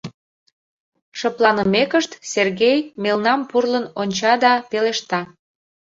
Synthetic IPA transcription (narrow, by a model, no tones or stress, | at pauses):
ʃəplˠɑnəmekəʃt̪serɣejmelnɑmpurlənonʲt͡ɕɑd̪ɑpeleʃt̪ɑ